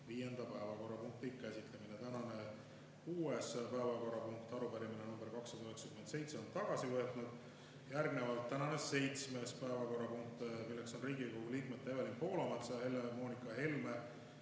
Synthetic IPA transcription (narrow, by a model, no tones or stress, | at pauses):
viːje̞nd̪̥ɑpæevɑko̞rːɑpuŋk̚t̪ikːæsʲit̪lɑminet̪ænɑne̞ | uːe̞spæevɑko̞ɾːɑpuŋk̚t̪ɑɾupæɾiminenumb̥eɾkɑksːɑd̪ɑyɦe̞ksekymese̞jt̪se̞o̞nt̪ɑɡ̥ɑsivɤet̪ˑnud̪̥ | jærɡne̞vɑlt̪ːænɑne̞se̞jt̪sme̞spæevɑko̞rːɑpuŋk̚t̪ˑmilːe̞kso̞nriːɡikoɡuliːkme̞d̪̥̚t̪ːæjvelimpo̞ːlɑmɑt̪sɑɑhe̞lememo̞ːnikːˑɑɦe̞lme